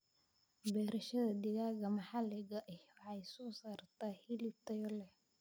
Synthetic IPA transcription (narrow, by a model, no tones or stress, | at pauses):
bɛːɾɐʃɐðɐd̪ɪɣaːɣɐmɐħɑlɪɣɐʔɛwɑħɑjsɔːsaːrt̪ʰaːhilɪb̚t̪ʰɐjɔlɛ